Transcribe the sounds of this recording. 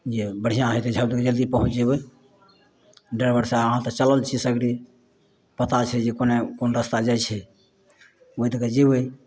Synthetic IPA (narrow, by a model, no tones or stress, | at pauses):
d͡ʒebəɽ̤ijãɦəjt̪ed͡ʒʱəbd̪iked͡ʒəld̪ipəɦũt͡ʃd͡ʒeβəj | ɖəɾbəɾseaəɦãt̪ət͡ʃələlt͡ʃʰisəɡɾi | pət̪at͡ʃʰɛd͡ʒekonekonɾəst̪ad͡ʒat͡ʃʰɛ | oit̪əked͡ʒeβəj